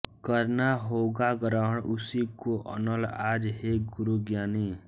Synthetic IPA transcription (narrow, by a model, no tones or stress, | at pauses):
kəɾnaɦoːɡaɡəɾaɽ̃ʊsikoʔə̰nəlaːd͡ʒɦeɡʊɾuɡjaːni